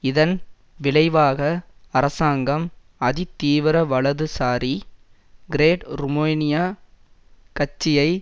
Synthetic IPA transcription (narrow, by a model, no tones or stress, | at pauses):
ɪðɐn | ʋɪlɐɪʋaːɣɐɐɾɐsaːŋɡɐm | ɐðit̪iːʋɪɾɐʋɐɭɐðɯsaːɾi | ɡɪɾeːʈɾʊmojnɪjaː | kɐt͡ʃːɪjɐɪ